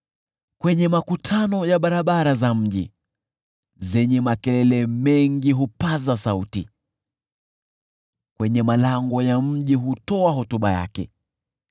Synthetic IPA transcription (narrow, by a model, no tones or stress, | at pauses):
kwɛɲɛmakutʰanɔjaɓaɾaɓaɾazam̩ʄḭ | zɛɲɛmakɛlɛlɛmɛŋɡiɦupazasautḭ | kwɛɲɛmalaŋɡɔjam̩ʄiɦutɔaɦɔtuɓa̰ja̰kɛ̰